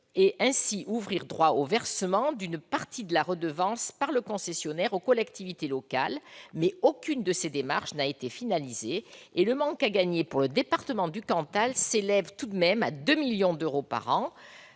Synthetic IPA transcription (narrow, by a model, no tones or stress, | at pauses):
eʔɛ̃siʔuvʁiʁd̪ʁwaovɛʁsəmɑ̃d̪ynpaʁt̪id̪əlaʁəd̪əvɑ̃spaʁləkɔ̃sɛsjɔnɛʁokɔlɛkt̪ivit̪elɔka̰lmɛokʲynd̪əsed̪ema̰ʁʃnaet̪efinalizeːləmɑ̃kaɡaɲepuʁləd̪epaʁt̪əmɑ̃d̪ykɑ̃t̪alselɛvt̪ud̪mɛmad̪ømiljɔ̃d̪øʁopa̰ʁɑ̃